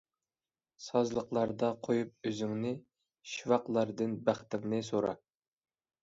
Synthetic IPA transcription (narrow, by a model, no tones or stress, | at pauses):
sɑzlˠəqlˠɑɾd̪ɑqʰojup̚øzyŋnɪ | ʃivɑqlˠɑɾd̪ɨnbæχt̪ɪŋnɪsoɾɑ̰